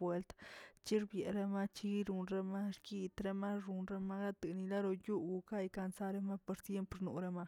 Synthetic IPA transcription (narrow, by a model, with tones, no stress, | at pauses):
we˦lt̪t͡ʃi˦ɾbje˨ɾe˦ma˦t͡ʃi˦i˦ɾu˧nɾe˧ma˦ɾki˦t̪ɾe˦ma˦ɾu˨˧nɾe˦ma˦ɾa˦t̪ɨ˨ni˧la˦ɾo˧ju˦ɡu˧ka˦jka˧nsa˦ɾe˦ma˦po˧ɾsje˦mpɾnṵ˨ɾe˦ma˦˧